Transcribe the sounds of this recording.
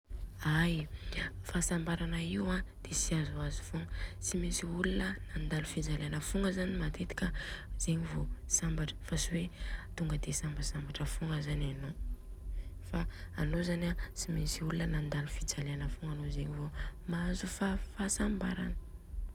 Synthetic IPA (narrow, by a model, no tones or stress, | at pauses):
aj | fasambaɾanəiwãd̪̥esiazuazu̥fuŋət͡simisiulunənand̪alufid͡zaleanəfuŋɡəzanimat̪et̪i̥kʲəz̥eɲivosambaʈ͡ʂə̥fasiwet̪uŋɡəd̪esambasambaʈ͡ʂəfuŋɡəzanano | faːnozanat͡simisiulunənand̪alufid͡zaleanəfuŋɡanozeɲivomazufafasambaɾa̰nə̥